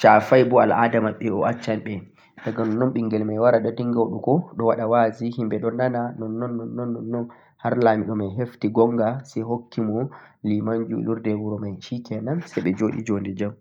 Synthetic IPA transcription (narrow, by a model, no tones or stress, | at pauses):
t͡ʃafajbɔaladamaɓɛɔat͡ʃːanɓɛ | taɡanɔnːɔnɓiŋɡɛlmajwaɾaɗɔdiŋɡawɗukɔɗɔwaɗawazihimbɛɗɔnananɔnːɔnːɔnːɔnːɔnːɔn | haɾlaːmiɗɔmajɦeftiɡɔŋɡasɛɦokːimɔ | limaɲd͡ʒṵluɾdɛwuɾɔmajʃikɛnansɛɓɛd͡ʒoːɗḭd͡ʒondɛd͡ʒam